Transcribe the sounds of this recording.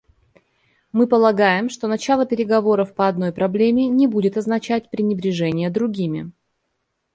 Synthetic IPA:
mɨpəlˠɐɡajɪmʂt̪o̞nɐt͡ɕalˠəpʲɪɾʲɪɡɐvo̞ɾəfpəɐd̪no̞jpɾɐblʲemʲɪnʲɪbudʲɪt̪ɐznɐt͡ɕæt̚ʲpɾʲɪnʲɪbɾʲɪʐɛnʲɪjəd̪ɾʊɡʲimʲɪ̰

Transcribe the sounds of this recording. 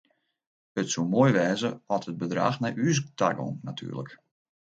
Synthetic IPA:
ətsumoːjʋɛːzəɔthəd̚bədra̰ːxnɛjʔyəs̬tʰa̰ɡo̰nnatʰy̰ːrlə̰k

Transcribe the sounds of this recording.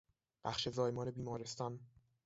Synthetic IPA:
b̥æ̰xʃe̞zɒːjmɒːne̞biːmɒːɾe̞st̪ɒn

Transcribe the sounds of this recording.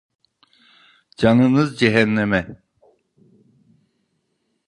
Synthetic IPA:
d͡ʒɑnɯnɯzd͡ʒɛɦɛnːɛmɛ

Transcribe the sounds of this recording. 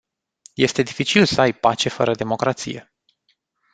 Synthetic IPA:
je̞st̪e̞d̪ifit͡ʃilsəajpat͡ʃe̞fəɾəd̪e̞mo̞kɾat̪sḭje̞̰

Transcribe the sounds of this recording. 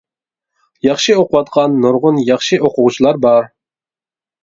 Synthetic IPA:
jɑχʃioqʊwɑt̪̚qʰɑnːoɾʁʊnjɑχʃiʔoqʊʁt͡ʃʰilˠɑɾbɑɾ

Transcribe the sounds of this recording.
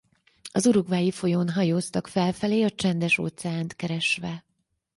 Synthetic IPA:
ɒzuɾuɡvaːjifo̞jonɦɒjoːst̪ɒkfɛlfɛleːɒt͡ʃɛnd̪ɛʃo̰t̪sɛaːnt̪kɛɾɛʃʋɛ

